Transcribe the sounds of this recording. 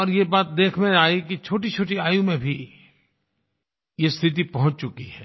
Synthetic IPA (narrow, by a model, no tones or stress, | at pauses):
ɔːɾjebaːt̪̚d̪eːkʰmẽaːekit͡ʃʰoːʈit͡ʃʰoːʈiaːjũmẽbʱi | jest̪ʰɪt̪̬ipɐɦʊ̃t͡ʃt͡ʃʊkiɦɛː